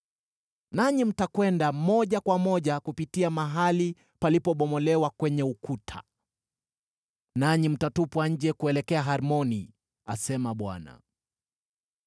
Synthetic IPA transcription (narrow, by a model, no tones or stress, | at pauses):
naɲim̩takwɛndamɔʄakwamɔʄakupitiamaɦali | palipɔɓɔmɔlɛwakwɛɲɛukutʰa̰ | naɲim̩tatupwaɲ̩d͡ʒɛkuɛlɛkɛaɦaɾmɔni | asɛmaɓwa̰na̰